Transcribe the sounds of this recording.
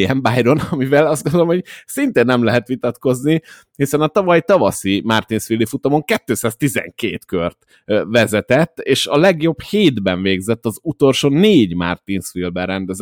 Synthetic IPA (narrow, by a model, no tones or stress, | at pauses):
ɛmbaːjd̪o̞nɒmivɛlɒst̪ɡond̪olomhoɟsint̪eːnːɛmlɛɦɛt̪ʋit̪ɒt̪ko̞zni | hisɛnɒt̪ɒvɒjt̪ɒvɒsimart̪insʋilːifut̪omoŋkɛt̪ːøːsaːz̥t̪izɛ̰ŋkeːt̪kørt̪ | ʋɛzɛt̪ɛt̪ːeːʃɒlɛɡjo̞bheːd̪bɛɱveːɡzɛt̪ːɒzut̪o̞lʃoːneːɟma̰rt̪insfilbɛrɛnd̪ɛz